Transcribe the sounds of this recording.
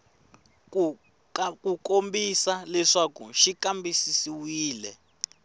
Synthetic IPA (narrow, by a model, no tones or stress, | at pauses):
kukʼombisalɛʂakṵʃikʼambisisiwiːlɛ̰